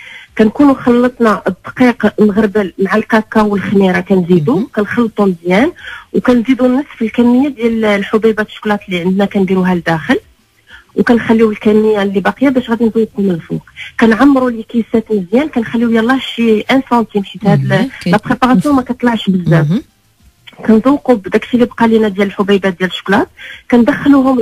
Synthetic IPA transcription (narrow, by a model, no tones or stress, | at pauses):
kænkunuxɑlːət̪ˤnɑʔd̪qiqmɣəɾbəlmaʕalkækːɑwəlxniɾɑkænzid̪ukænxɑlːt̪ˤuməzjænwkænzid̪unːɑsˤːfəlkænːəjːad̪jællħobibæt̪ʃklɑt̪liʕənd̪nækænb̪iɾuɦæld̪æxəl | wkænxælːiwəlkænːəjːalːibɑqijːabæʃɣæd̪inzˤuːqhʊməlfṵqkænʕamːɾulikisæt̪mzjænkænxælːiwjɑlːɑʃiʔænsɑnt̪imħit̪hæd̪llæpʁepɑʁɑsjɔ̃mækæt̪ˤlɑʕʃbəzːæ | kænzˤuqubd̪ækt̪ilibqɑlinæd̪jæləlħʊbæjbæd̪jæləʃːʊ̥klɑt̪̚kænd̪æxːluhʊm